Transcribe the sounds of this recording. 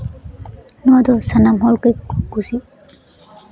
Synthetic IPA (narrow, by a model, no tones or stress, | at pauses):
nɔwad̪ɔsanamɦɔlkɯjɡuzi